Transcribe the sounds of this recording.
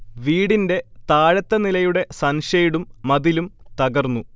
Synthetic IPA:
ʋiːɽinde̞t̪aːɻɐt̪ːɐnilɐjuɽe̞sɐnʂɐjiɽumːɐðilumt̪ɐɣɐrnːu

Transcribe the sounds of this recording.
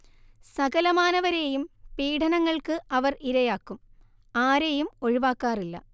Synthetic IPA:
sɐɣɐlɐmaːnɐʋɐɾe̞ːjumpiːʈʰɐnɐŋːɐɭkɨɐʋɐriɾɐjaːkːum | aːɾe̞ːjumo̞ɻiʋaːkːaːrilːɐ̰

